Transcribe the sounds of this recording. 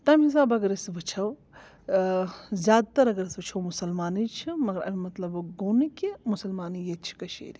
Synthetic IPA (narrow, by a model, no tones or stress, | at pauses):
t̪ɐmis̬aːbɐɡɐɾɐsʋɨt͡ʃʰɐw | zʲaːd̪̚t̪ɐɾɐɡɐɾɐsʋɨt͡ʃʰɐwmusɐlmaːnit͡ʃʰimɐɡɐɾɐ̰mʲimɐt̪lɐbɡoːnikʲimusɐlmaːnijet͡ʃʰi̥kɐʃʰḛːɾʲi